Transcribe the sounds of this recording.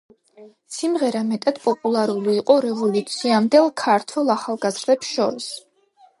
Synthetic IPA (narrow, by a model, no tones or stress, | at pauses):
simʁɛɾamɛt̪ʼad̪̥pʼɔpʼulˠaɾuliːqʼɔɾɛvɔlit̪ʼsiamd̪ɛlˠkʰaɾt̪ʰwɛlˠaχalˠɡazɾd̪ɛpsʃɔɾis